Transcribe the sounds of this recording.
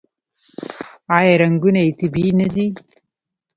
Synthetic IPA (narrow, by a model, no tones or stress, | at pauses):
ajeɾɐŋɡunejt̪ibinɐd̪i